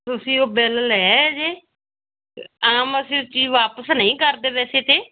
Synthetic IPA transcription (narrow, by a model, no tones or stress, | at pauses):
t̪ʊsĩːoːbɛːləlɦɛːd͡ʒeː | aːməsĩːt͡ʃiːd͡ʒʋaːpəsnəĩːkəɾd̪eːʋɛːseːt̪eː